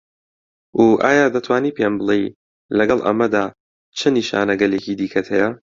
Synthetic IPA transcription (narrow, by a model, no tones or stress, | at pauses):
ʔuʔaːjaːd̪ɐt̪ʰwaːniːpenbɨlˠej | lɐɡɐlˠʔɐ̰mɐd̪aː | t͡ʃʰɨniːʃa̰ːnɐɡɐleːciːd̪iːkʰɐt̪ʰhɛjɐ